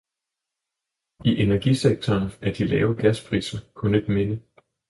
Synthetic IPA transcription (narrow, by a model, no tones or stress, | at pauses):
iʔe̝næɐɡ̥iseɡ̥̚t͡sʰɒːnæɐd̥ilɛːʊɡ̥æspʰʁḭːsɐkʰɔ̽ne̝d̥me̝nə